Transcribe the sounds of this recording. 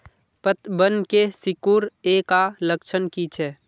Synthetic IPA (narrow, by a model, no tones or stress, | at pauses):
pət̪bənkesɪkuɾekaləkʃʰənkit͡ʃʰɛ